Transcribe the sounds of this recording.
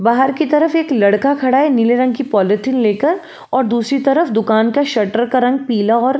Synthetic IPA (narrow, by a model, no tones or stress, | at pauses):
baːɦəɾkit̪ɐɾəfeːklɐɽkakʰɐɽaːenɪleɾɐ̃ŋɡ̚kipɔːlɪʈɪnleːkəɾ | ɔːɾd̪uːsɾit̪ɐɾəfd̪ʊkaːnkaʃɐʈəɾkaɾɐ̃ŋɡ̚piːlaɔːɾ